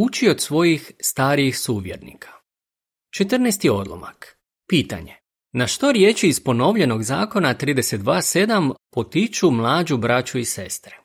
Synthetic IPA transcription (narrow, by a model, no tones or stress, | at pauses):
ut͡ʃio̞d̪sʋo̞jixst̪aːɾiixsuːʋjeɾnḭkʰḁ | t͡ʃe̞t̪r̩nest̪io̞d̪lˠo̰ma̰k | piːt̪a̰ɲe̞ | naʃt̪o̞ɾje̞ːt͡ʃiːspo̞no̞ʋʎe̞no̞ɡzaːko̞nat̪ɾiːd̪ese̞t̪̚d̪ʋaːse̞d̪ampo̞t̪it͡ʃumlˠaːd͡ʒubɾat͡ɕuise̞st̪ɾe